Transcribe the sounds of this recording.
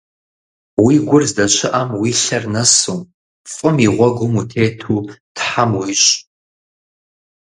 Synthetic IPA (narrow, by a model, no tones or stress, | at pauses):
wiːɡʷʊrzdɐɕʰʼɪʔɐmwiːɬɐrnɐsuːm | fʼɨmiʁʷɔɡʷʊmutʰeːtʰuːtħamwiɕʼ